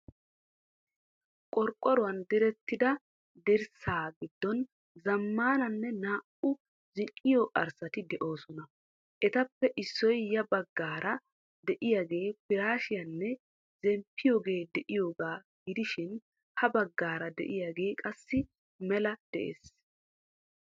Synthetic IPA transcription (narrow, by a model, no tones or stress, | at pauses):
kʼɔɾkʼːɔɾʊwɐnd̪ɪɾɛt̪ːɪd̪ɐ | d̪ɪɾsaːɡɪd̪ːɔn | zɐmːaːnɐnːɛnaːʔʊ | zɪʔɪjoːʔɐɾsɐt̪ɪd̪ɛʔo̞ːsɔnɐ | ʔɛt̪ɐpːɛʔɪsːɔjjɐbɐɡːaːɾɐ | d̪ɛʔɪjaːɡe̞ːpɪɾaːʃɪjɐnːɛ | zɛmpʰːɪjo̞ːɡe̞ːd̪ɛʔɪjo̞ːɡaː | ɡɪd̪ɪʃɪn | hɐbɐɡːaːɾɐd̪ɛ̰ʔɪjaːɡe̞ːkʼɐsːɪ | mɛlɐd̪̥ɛʔḛːs